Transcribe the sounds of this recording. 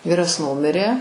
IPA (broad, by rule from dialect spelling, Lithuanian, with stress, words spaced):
ˈʋʲiːrɐs ˈnʊmʲɪrʲeː